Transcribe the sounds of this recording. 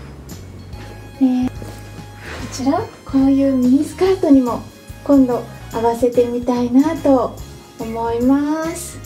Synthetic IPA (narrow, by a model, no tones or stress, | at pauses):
ne | kot͡ɕiɾakʰo̞ːjɯ̟ːnʲiːsɨ̥kaːt̪o̞ɲ̟imo̞ | kõ̞nd̪o̞aβase̞t̪e̞mʲit̪ainat̪o̞ː | mo̞imasɨ̥